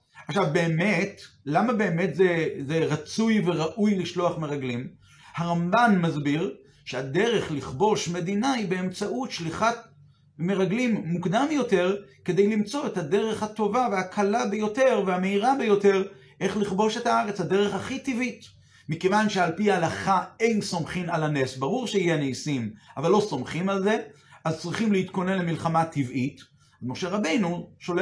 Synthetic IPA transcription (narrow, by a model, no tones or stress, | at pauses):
aχʃavbe̞ːme̞tlamabe̞ːme̞tzezeʁat͡sujve̞ʁaʔujliʃlo̞aχme̞ʁaɡlim | haʁambanmazbiʁ | ʃeade̞ʁe̞χliχbo̞ʃme̞d̪inaibe̞ːmt͡saʔutʃliχa | me̞ʁaɡlimːukdamjo̞te̞ʁke̞d̪e̞jlimt͡so̞ethade̞ʁe̞χhat̪o̞vaveakʰalabejo̞te̞ʁveame̞iʁabejo̞te̞ʁ | ʔe̞χliχbo̞ʃe̞taaʁe̞t͡shad̪e̞ʁe̞χaχit̪ivit | mike̞vanʃe̞alpialaχae̞jnsomχimalanesbaʁuʁʃeijeneːsimavalːo̞so̞mχimalze̞ | ʔazt͡sʁiχimleit̪ko̞ne̞nle̞milχamat̪ivʔit | azmo̞ʃeʁabe̞jnuʃole